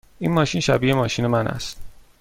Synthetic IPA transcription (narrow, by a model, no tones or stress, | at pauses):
ʔiːnmɒːʃiːnʃæbiːemɒːʃiːne̞mænʔæ̰st̪